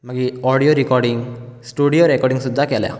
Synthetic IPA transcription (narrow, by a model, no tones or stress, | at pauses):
maɡiɔɽijoɾikɔɾɖiŋɡsʈuɽijoɾɛkɔɾɖiŋsud̪ʱːakɛlɛ̰